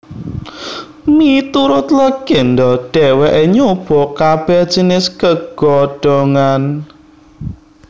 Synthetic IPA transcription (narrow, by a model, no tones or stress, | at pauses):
mit̪uɾʊt̪ləɡ̥end̪ɔɖ̥ɛwɛʔeɲoub̥ɔ̤kab̥ɛd̥d͡ʒ̥ənɪskəɡɡ̥ɔɖ̥ɔŋan